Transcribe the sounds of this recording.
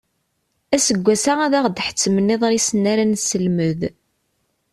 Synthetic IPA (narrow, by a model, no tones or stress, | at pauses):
æsəɡʷːæsaʁæðæʁd̪ħə̥t͡sːmənːeðˤɾisənːæɾænsəlməð